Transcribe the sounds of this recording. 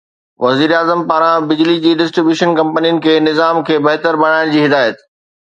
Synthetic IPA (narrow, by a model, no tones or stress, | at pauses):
ʋɐziːɾaːzəmpaːɾãbɪd͡ʑlid͡ʑiːɖɪsʈɾɪbjuːʃənkɐ̃mpənijənɪ̆kʰeːnɪzaːmkʰeːbɐɦt̪əɾbɐɽ̤̃aːɪɽ̃d͡ʑiːɦɪd̪aːjət̪